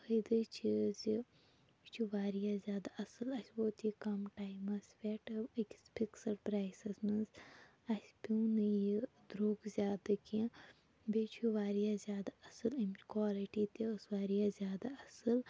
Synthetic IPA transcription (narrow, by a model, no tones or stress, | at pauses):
həd̪ɨt͡ʃʰizi | t͡ʃʰuʋaːɾijaːzʲjaːd̪aʔɐsɨlɐsʲboːt̪ikɐmʈaːjmɐsʲʋʲeʈikʲspʰiksɐɾpɾaːjsɐsmɐnz | ɐsʲpʲiwnɨji | d̪ɾoːɡzʲaːd̪ɨki | beːt͡ʃʰuʋaːɾijazʲjaːd̪aɐsɨlɐmt͡ʃʲkwaːliʈit̪iəsʋaːɾijaːzʲjaːd̪aɐsɨl